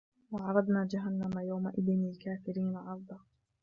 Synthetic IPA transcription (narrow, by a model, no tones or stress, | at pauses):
wɑʕɑɾˤɑd̪naːd͡ʒaɦanːamajawmaʔɪðnlkaːfɪɾiːnaʕɑɾˤd̪ˤɑː